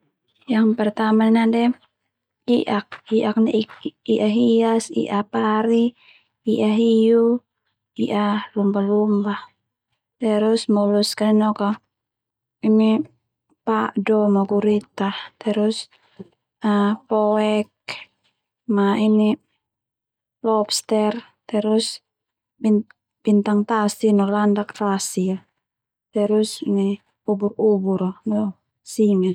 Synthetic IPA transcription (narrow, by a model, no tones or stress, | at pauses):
jaŋpɛrt̪amainadɛ | iʔak̚iʔak̚niʔiʔaɦiasḭʔapaɾi | iʔaɦiju | iʔalumbahlumbah | t̪ɛɾusmɔluskaninɔka | imi | paʔdɔmaɡuɾit̪at̪ɛɾus | apɔɛk̚ | maini | lɔpst̪ɛr | t̪ɛɾus | bin | b̥int̪aŋt̪asinɔlandakt̪asia | t̪ɛɾusini | uburubuɾanɔ | simɛ